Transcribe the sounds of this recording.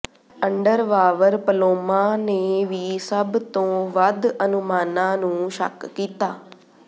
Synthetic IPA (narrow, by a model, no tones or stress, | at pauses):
əɳɖəɾʋaːʋəɾpəloːmãːneːʋiːsəbt̪õːʋəd̪ənʊmaːnãːnũːʃə̰kːiːt̪aː